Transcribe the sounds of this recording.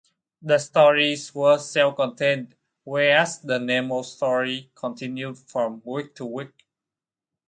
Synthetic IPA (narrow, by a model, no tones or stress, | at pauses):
dəstɔɹiswəsɛlkɔ̃ntʰẽn | wɛɹæsdəneməstɔɹikʰɔ̃ntʰĩnjudfɹɔ̃mwik̚tʰuwik̚